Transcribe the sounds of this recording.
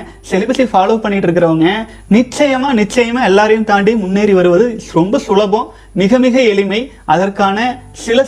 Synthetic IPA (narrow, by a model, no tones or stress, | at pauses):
sɛlɪbɪsifaːloːpɐɳːɪʈːɪɾɯk̬ːɪɾɐʋɐŋɡɐ | nɪt͡ʃːɐjɐmaːnɪt͡ʃːɐjɐmaːɛlːaːɾɐjɯmt̪aːɳɖijmʊnːeːɾiʋɐɾɯʋɐðɯɾɔmbɐsʊlɐbõ | mɪɣɐmɪɣɐɛɭɪmɐɪ | ʔɐðɐrkaːnɐsɪlɐ